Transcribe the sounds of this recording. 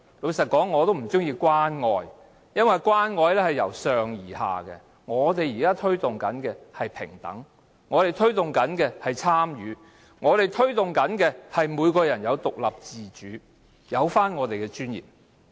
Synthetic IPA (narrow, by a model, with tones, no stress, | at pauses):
lo˨˧sɐ˨t̚kɔː˨˥ŋːɔː˨˧t̪o˥wm̩˨˩t͡sʊ˥ŋjiː˧kʷwaː˥nŋɔː˨˧j | jɐ˥nwɐ˨jkʷwaː˥nŋɔː˧jlɛː˥hɐ˨˩jːɐ̰˨˩wsœː˨ŋjiː˨˩ha̰ː˨kɛ̰˧ | ŋɔː˨˧t̪̬e˨jjiː˨˩kaː˥t̪ʰɵ˥ɥt̪ʊ˨ŋkɐ˨˥nkɛː˧hɐ˨jpʰɪ̰˨˩ŋt̪ɐ̰˨˥ŋ | ŋɔː˨˧t̪e˨˩jt̪ʰɵ˥t̪ʊ˨ŋkɐ˨˥nkɛː˧hɐ˨jt͡sʰaː˥mjyː˨˧˥ | ŋɔː˨˧t̪e˨jt̪ʰɵ˥ɥt̪ʊ˨ŋkɐ˨˥nkɛː˧hɐ˨jmuː˨˧jkɔː˧jɐ˨˩njɐ˨˧wt̪ʊ˨k̚lɐ˨p̚t͡siː˨t͡ʃyː˨˥ | jɐ˨˧wfaː˥nŋɔː˨˧t̪e˨jkɛː˧t͡ʃyː˥njḭː˨˩p̚